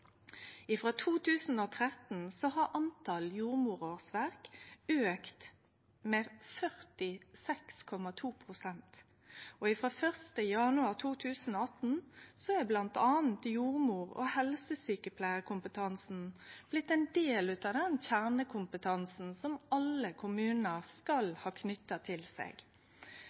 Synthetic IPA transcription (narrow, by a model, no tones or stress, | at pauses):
ɪfʁoːt̪ʰuːt̪ʰʉːsn̩oːt̪ʰʁɛt̪n̩sɔhɑʁʔɑnt̪ʰɑljuːʁmuːɾoːʁsʋæʁkøːkt̪ | mefœʁt̪ɪsɛkskʰɔmɑt̪ʰuːpʰʁʊsɛnt̪ | ɔɪfʁoːfœʁst̪əjɑnʉɑʁt̪ʰuːt̪ʰʉːsn̩oːɑt̪n̩sɔæblɑnt̪ɑːn̩t̪juːʁmuːʁɔ̰hɛlsəsyːkəpʰlæɪəʁkʰʊmpət̪ʰɑnsn̩b̥lɪt̪ːɛnd̪eːlʉːt̪ɑʋd̪ɛnçæʁnəkʰʊmpət̪ʰɑnsn̩sɔmɑləkʰʊmʉːnnəʁskɑlhɑːkʰnʏt̪ːɑt̪ʰɪlsḛːɡ